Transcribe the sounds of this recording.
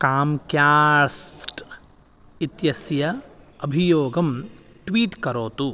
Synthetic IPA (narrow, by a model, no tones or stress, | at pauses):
kaːmkjaːsʈ | it̪jɐsjɐɐbʱijoːɡɐm | ʈʋiːʈkɐɾoːt̪u